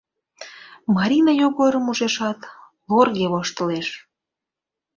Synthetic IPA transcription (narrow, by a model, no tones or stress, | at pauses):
mɑɾʲinɑjoɣoɾəmuʒeʃɑt̪ | lorɣeβoʃt̪ə̆leʃ